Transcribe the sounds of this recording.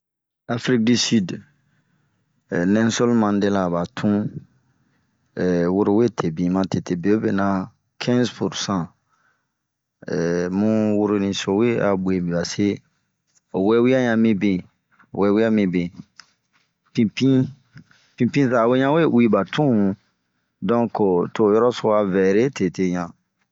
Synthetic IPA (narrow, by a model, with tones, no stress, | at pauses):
a˨fɾi˦k̚di˨sy˦d | nɛ̃˦nso˦lmã˨nde˦la˨ba˨tʰũ˦ | ɛ˨wo˦ɾo˨we˦tʰe˨bĩ˨mã˨tʰe˨te˨be˨o˦be˨nã˦ | kʰɛ̃˦zpu˨ɾsã˦˨ | ɛ˨mũ˦wo˦ɾo˨nĩ˨so˨we˦a̰˨bu˨e˨bĩ˨ba˨se˦ | o˨wɛ˦wi˦a˦ɲã˨mĩ˦bĩ˨ | wɛ˦wi˦a˦mĩ˦bẽ˨ | pĩ˦pĩ˦ | pĩ˦pĩ˦sa˨we˦ɲã˦we˦wi˦ba˨tʰũ˦˨ | dɔ̃˦ko˨to˨jɔ˦ɾɔ˦so˨a˨vɛ˨ɾe˦te˨te˨ɲã˨